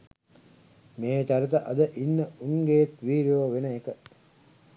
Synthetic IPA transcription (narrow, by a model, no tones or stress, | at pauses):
meːt͡ʃaɾit̪əʔɐd̪əʔinːəuŋɡejːt̪ʋiːɾioːʋenəekə